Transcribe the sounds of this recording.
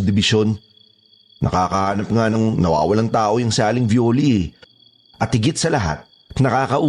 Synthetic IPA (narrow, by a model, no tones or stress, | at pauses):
d̪ɪbɪʃo̞nː | ʔɐ̰kaːkɐhaːnɐp̚ŋanɐŋnɐwa̰ːwɐlaŋt̪aːʔo̞jɐŋsɪaːlɪŋbjoːli | ʔɐt̪hɪɡɪt̪̚sɐlɐɦa̰t̪̚ | nɐkaːkɐʔuː